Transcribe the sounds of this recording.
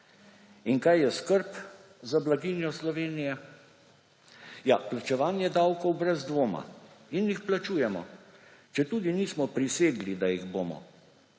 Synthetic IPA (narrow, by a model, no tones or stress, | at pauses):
inkajjɛskəɾp | zablaɡinjɔslɔʋeːnijɛ | ja̰plat͡ʃɛʋaːnjɛd̪awkɔwbɾɛzd̪ʋoːma̰injixplat͡ʃuːjɛmɔ̰t͡ʃɛt̪uːd̪iniːsmɔpɾiseːɡlid̪ajiɣboːmɔ̰